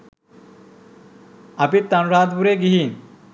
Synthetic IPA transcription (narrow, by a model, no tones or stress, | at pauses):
apit̪ːanɾad̪buɾeɡiɦiːn